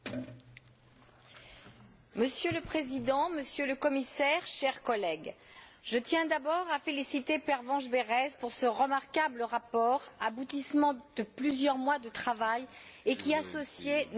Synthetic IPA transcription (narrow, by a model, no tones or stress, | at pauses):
məsjøləpχezid̪ɑ̃məsjøləkɔmisɛʁʃɛʁkɔlɛɡ | ʒ̥ət̪jɛ̃d̪abɔʁafelisit̪epɛʁvɑ̃ʒbeʁɛzpuʁsəʁəmaʁkabləʁapɔʁabut̪ismɑ̃d̪̥əplyzjœʁmwad̪ət̪χavajekʲiasɔsjen